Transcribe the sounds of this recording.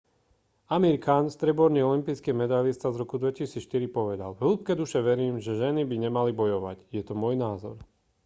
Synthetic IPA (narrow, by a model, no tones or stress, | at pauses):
amiɾkaːnst̪ɾɛbɔɾniɔlimpiːskɛmɛd̪ajlist̪azɾɔkud̪ʋɛcisiːt͡sʃt̪iɾipɔʋɛd̪a̰lɦulˠp̚kɛːd̪uʃɛʋɛɾiːmʒɛʒɛnibiɲɛmalibɔjɔʋa̰ɟjɛt̪ɔmɔjnaːzɔ̰ɾ